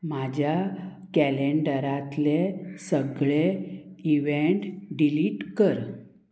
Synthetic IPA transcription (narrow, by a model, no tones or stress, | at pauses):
m̤ad͡ʑʱja | kɛleɳɖəɾat̪lesəɡɭeiʋeɳʈɖiliːʈkəɾ